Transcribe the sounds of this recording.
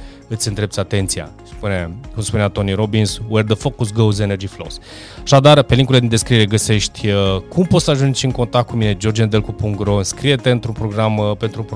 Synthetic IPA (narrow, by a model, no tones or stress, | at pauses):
ɨt̪sʲɨnd̪ɾe̞p̪̚sʲat̪e̞nt̪sija̰ | spunekumspuneat̪o̞niɾo̞binswerd̪əfokus̬ɡowzenerd͡ʒiflo̰s | aʃad̪arpeliŋkuiledind̪e̞skɾieɾeɡəse̞ʃt̪ʲəkʰumpot̪saʒunt͡ʃʲɨŋko̞nt̪ak̚t̪̚kumine̞d͡ʒo̞rd͡ʒend̪elkupuŋɡɾoɨnskɾije̞t̪eɨnt̪ɾunpɾo̞ɡɾampe̞nt̪ɾup